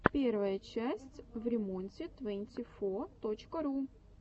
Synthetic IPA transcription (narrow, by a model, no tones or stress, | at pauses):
pʲervəjət͡ɕæsʲtʲvɾʲɪmonʲtʲɪt̪vɛnʲtʲɪfot̪ot͡ɕkəɾu